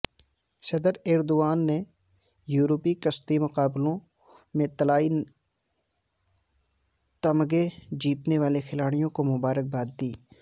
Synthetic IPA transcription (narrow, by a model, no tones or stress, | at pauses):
sɐd̪əɾɛːɾd̪oaːnːe | juːɾopikɐst̪imʊqaːblõ | mẽt̪ɐlaːi | t̪ɐmɡed͡ʒiːt̪neʋaːlexɪlaːɽ̃ijõkomʊbaːɾək̚baːt̪̚d̪iː